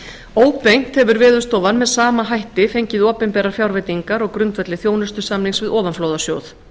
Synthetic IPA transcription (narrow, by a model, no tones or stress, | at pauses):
oːwpejŋ̥t̪hɛvʏɾvɛːðʏst̪ɔːvanmɛðsaːmaɦajht̪ɪfejɲcɪðɔːpɪnpɛːɾaɾ̥fjawɾvejt̪iŋkaɾɔɣkɾʏnt̪vɛt̪lɪθjoːwnʏ̥st̪ʏ̥samnliŋsvɪðɔːvanfloːwðasjoːwθ